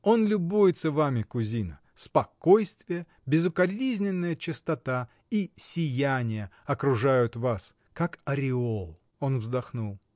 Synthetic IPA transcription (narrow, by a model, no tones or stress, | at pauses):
o̞nlʲʊbujɪt̪səvamʲɪkʊzʲinə | spɐkojst̪vʲɪjə | bʲɪzʊkɐlʲizʲnʲɪnːəjət͡ɕɪst̪ɐt̪a | isʲɪjænʲɪjəɐkɾʊʐajʊt̪vas | kakɐɾʲɪolˠ | o̞nvzd̪ɐxnulˠ